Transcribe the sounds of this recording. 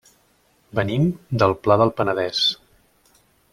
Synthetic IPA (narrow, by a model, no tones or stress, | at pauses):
bənimd̪əlˠplaðəlˠpənəðɛs